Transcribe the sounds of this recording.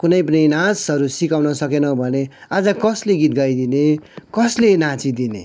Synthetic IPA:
kunʌjp̬ʌnijnãsɦʌɾusikawnʌsʌkenʌbʱʌnead͡zʌkʌsleɡit̪̚ɡʌjd̪inekʌslenat͡sid̪inḛ

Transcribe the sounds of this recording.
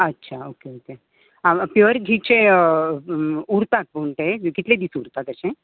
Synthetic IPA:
ətːɕʰaokeoke | apjoɾɡʱit͡ɕe | uɾt̪at̪̚poɳʈ̪ekit̪led̪isuɾt̪at̪əsẽ

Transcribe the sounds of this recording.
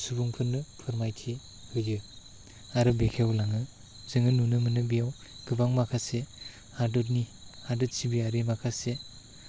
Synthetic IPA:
subuŋpʰɯnːɯpʰɯɾmajtʰi | hɯjɯ | aɾɯbekʰewlaŋɯ | zɯŋɯnunɯmɯnɯbijaw | ɡ̥ɯbaŋmakʰase | adɯt̚ni | adɯt̚sibiaɾimakʰase

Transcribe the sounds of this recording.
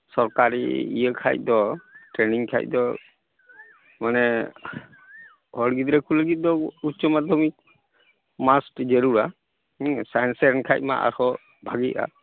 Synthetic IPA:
sɔɾkaɾḭḭjəkʰa̰jc̚d̪ɔʈɾɛniŋkʰa̰jc̚d̪ɔ | manɛ | hɔɽɡid̪ɾɛkuləɡit̪̚d̪ɔutːt͡ʃɔmad̪ʱɔmik̚ | masʈd͡ʒeɾuɾa | sajnsɛɾnkʰajt̚ma̰ʔa̰ɾhɔ | bʱaɡita̰

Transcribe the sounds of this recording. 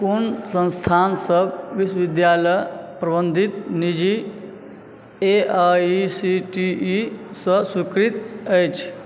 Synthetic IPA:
konsə̃nst̪ʰansəbʋisʋid̪jaləjpɾəbənd̪ʱit̪nid͡ʒi | eaisiʈiːsə̃sikɾit̪əjt͡ʃʰ

